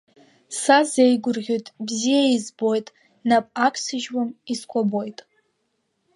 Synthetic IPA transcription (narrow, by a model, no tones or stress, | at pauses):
sazejɡʷʊrʁʲojtʼbzijaizbo̞jtʼ | napʼakʷʰʼsɨʒwamiskʷʰʼabo̞jtʼ